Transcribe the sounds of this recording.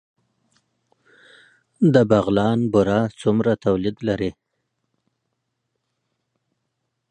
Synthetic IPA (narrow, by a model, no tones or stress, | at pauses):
d̪əbaɣlɑnbʊɾɑt͡sumɾat̪awlid̪laɾi